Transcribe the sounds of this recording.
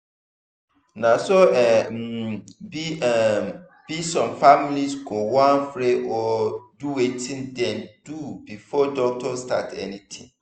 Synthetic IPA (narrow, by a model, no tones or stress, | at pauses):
nãsoɛ | biɛ | b̥isɔ̃mfamilisɡowãnfɾeʔɔduwetʰĩndɛ̃nd̥ubifɔdɔk̚tʰɔsta̰tʰɛ̰nĩtʰḭ̃ŋ